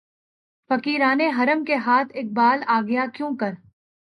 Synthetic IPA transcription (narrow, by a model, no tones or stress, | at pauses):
fɐkiːɾaːneɦɐɾəmkeɦaːt̪ʰeːk̚baːlaːɡɐjakjõːkɐɾ